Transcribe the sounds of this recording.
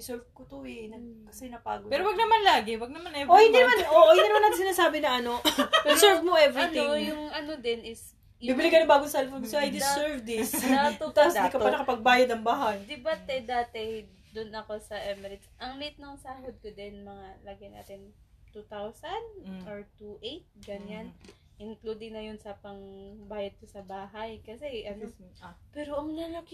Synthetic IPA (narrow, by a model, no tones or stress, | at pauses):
ɪsɛɹvkot̪oɛnɐɡ̚kɐsɛnɐpa̰ːɡopɛɾowɐɡ̚nɐmanlaːɡɪwɐɡ̚nɐmanɛʔohɪnd̪inɐmanʔoʔhɪninɐmanmɐɡsɪnaːsaːbɪnɐʔɐno̞d̪ɪsɛɹvmoʔɛvɾɪnɪojʊŋʔɐnod̪ɪnɪs | bibɪlɪkːɐnɪbaːɡosɐlfoɡsoʔajd̪ɪsɛɹvd̪ɪsnɐt̪ut̪skɐpalɐkɐpɐɡ̚baːjɐd̪ɐŋbaɦand̪ɪbat̪ɛd̪aːt̪ɛ | d̪ʊnɐko̞sɐʔɛmɛɾɪsʔɐŋlit̪̚nɐŋsaːhod̪̚kod̪ɛnmɐŋalɐɡɐjna̰ːt̪ɪn | t̪ut̪awsɐnd̪oɹt̪uʔejt̪̚ɡɐɲan | ʔɪnklud̪ɪŋnɐjonsɐpɐŋbaːjɐd̪̚kosɐbaːɦɐjkɐsɛʔɐnopɛːɾoʔɐŋnɐlɐk